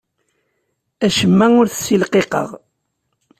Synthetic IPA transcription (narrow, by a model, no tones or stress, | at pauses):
æʃəmːæʊɾθə̥sːilqeqə̰ʁ